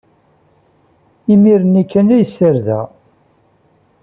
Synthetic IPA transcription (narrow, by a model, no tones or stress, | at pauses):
imiɾənikːənæjsːəɾðæ̰